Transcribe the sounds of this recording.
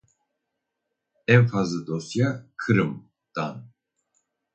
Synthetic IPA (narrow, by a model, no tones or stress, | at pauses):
ɛmfazəd̪ɔsjakʰɨɾɨm | d̪̥an